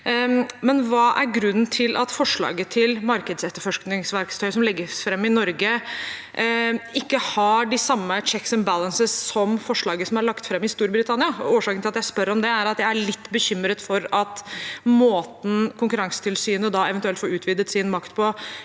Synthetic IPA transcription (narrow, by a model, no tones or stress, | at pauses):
mɛnʋɑːʔæɾɡɾʉnːn̩t̪ʰɪlʔɑ̰t̪fɔʂɭɑ̰ːɡət̪ʰɪlmɑɾkəd̪sɛt̪ːəɾfɔʂknɪŋsʋæɾkst̪ʰœʏsɔmlɪɡːəfɾɛmːɪnɔɾɡə | ɪkːəhɑɖɪsɑmːət͡ʃɛksənbælənsəssɔmfɔʂɭɑːɡəsɔmɑɭɑkt̪fɾɛmːɪst̪uːɾbɾɪt̪ʰɑnɪɑoːʂɑːkənɪlɑt̪jæɪspœɾɔmd̪ɛæɾɑt̪jæɪæɭɪt̪ːbəçʏmːɾət̪fɔɾɑt̪moːt̪n̩kʰʊŋkʉɾɑŋsə̥t̪ʰɪlsyːnəd̪ɑɛʋənt̪ʉɛlfɔːɾʉːt̪ʋiːd̪ət̪sɪnmɑkt̪pʰɔ